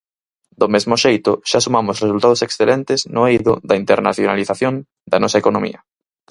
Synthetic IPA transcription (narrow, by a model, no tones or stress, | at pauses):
d̪omezmʊʃejt̪ʊʃasumamʊsres̬ult̪að̞oseksθelɛnt̪ɪznʊejðʊ̰ðɐint̪eɾna̰θjonaliθaθjõŋ | d̪ɐnɔsɐekonomḭɐ